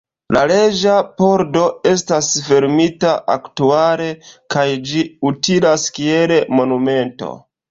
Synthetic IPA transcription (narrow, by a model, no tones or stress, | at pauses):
lale̞d͡ʒapo̞ɾdo̞e̞stasfe̞ɾmitaʔaktuale̞kajd͡ʒiutilaskie̞lemo̞nume̞nto̞̰